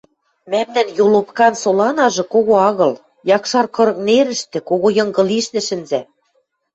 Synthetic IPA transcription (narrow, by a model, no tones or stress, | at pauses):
mæmnænjolopkɑnsolɑnɑʒɤ̆koɣoɑɣɤ̆l | jɑkʃɑrkɤ̆ɾɤ̆kneɾɘ̆ʃt̪ĕkoɣojɤ̆ŋɡɤ̆liʃnɘ̆ʃɘ̆nzæ